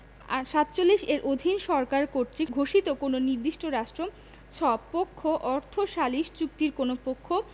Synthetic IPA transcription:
aʃat̪ːt͡ɕolːiʃeɾʔod̪ʱinʃɔɾkaɾkoɾt̪ɾiɡʱoʃit̪okononiɾd̪iʃʈoɾaʃʈɾo | t͡ɕʰɔbpokʰːoʔɔɾt̪ʰoʃaliʃt͡ɕuk̚t̪iɾkonopokʰːo

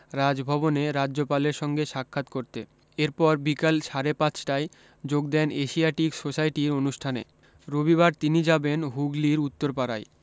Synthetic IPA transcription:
ɾad͡ʑbʱɔboneɾad͡ʑːopaleɾʃɔŋɡeʃakʰːat̪koɾt̪ḛ | eɾpɔɾbikalʃaɾepãt͡ɕʰʈae | d͡ʑoɡd̪ɛneʃiaʈiksosajʈiɾonuʃʈʰanḛ | ɾobiβaɾt̪inid͡ʑabenɦuɡliɾut̪ːoɾpaɾaj

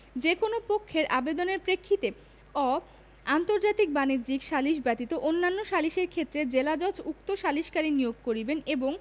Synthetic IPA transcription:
d͡ʑekonopokʰːeɾʔabed̪oneɾpɾekʰːit̪e | ɔ | ant̪oɾd͡ʑat̪ik̚baniɾd͡ʑikʃaliʃbɛt̪it̪oʔonːanːoʃaliʃeɾkʰet̪ːɾed͡ʑelad͡ʑɔt͡ɕuk̚t̪oʃaliʃkaɾinijoɡ̚koɾibeneboŋ

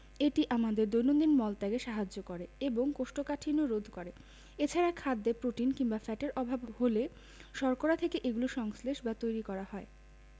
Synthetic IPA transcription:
eʈiʔamad̪eɾd̪ojnond̪inmɔlt̪aɡeʃaɦad͡ʑːokɔɾeeboŋkoʃʈokaʈʰinoɾod̪ʱkɔɾe | et͡ɕʰaɾakʰad̪ːepɾoʈinkiŋbafɛʈeɾʔɔbʱabhole | ʃɔɾkoɾat̪ʰekeʔeɡuloʃɔŋsleʃbat̪ojɾikɔɾahɔe

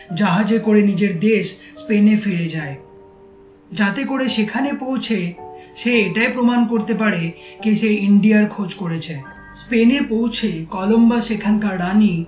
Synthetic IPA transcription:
d͡ʑaɦad͡ʑekoɾenid͡ʑeɾd̪eʃ | spenefeɽed͡ʑae | d͡ʑat̪ekoɾeʃekʰanepowt͡ɕʰeʃeeʈaepɾomankoɾt̪ep̬aɾekeʃeiɳɖiaɾkʰod͡ʑkoɾet͡ɕʰe | spenepowt͡ɕʰekɔlombaʃekʰankaɾːani

